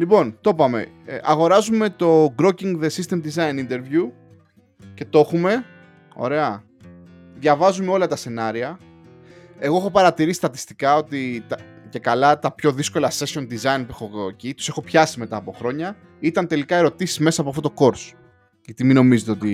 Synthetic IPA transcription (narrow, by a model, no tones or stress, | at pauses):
lipo̞nt̪o̞pɐme̞̰ | ʔɐɣo̞ɾɐzume̞t̪o̞ɡɾociŋɡðe̞sist̪e̞md̪izɐjnint̪e̞ɾvju | ce̞t̪o̞xume̞ | o̞̰ɾe̞ɐ | ðʝɐvɐzumeo̞lɐt̪ɐse̞nɐɾiɐ | e̞ɣoexo̞pɐɾɐt̪iɾisist̪ɐt̪i̥st̪i̥kɐo̞t̪it̪ɐce̞kɐlɐt̪ɐpço̞ðisko̞lɐse̞so̞nd̪izɐinpuexocit̪u̥se̞xo̞pçɐsimet̪ɐːpo̞xɾo̞ɲɐ | it̪ɐnt̪e̞likɐe̞ɾo̞t̪isi̥zme̞sɐpoɐft̪ot̪oko̞ɾs | ʝɐt̪imino̞mizet̪e̞ot̪i